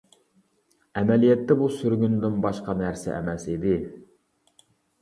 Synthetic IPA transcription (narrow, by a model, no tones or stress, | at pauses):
ɛmɛlijɛt̪ːɛbusyɾɡʲynd̪ɪnbɑʃqɑnæɾsɛ̰ʔɛ̰mɛsid̪ɪ